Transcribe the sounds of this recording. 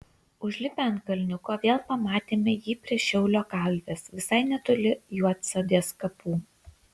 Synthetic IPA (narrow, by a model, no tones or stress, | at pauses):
ʊʒʲlʲɪpʲɛnkɐlʲnʲʊkoːʋʲeːlˠpɐmɑːt̪ʲeːmʲɛjiːpʲɾʲiɛʃʲɛʊlʲoːkɐlʲʋʲeːsʋʲɪsɐɪnʲɛt̪ʊlʲɪjuɔt̪sɐd̪ʲiɛskɐpuː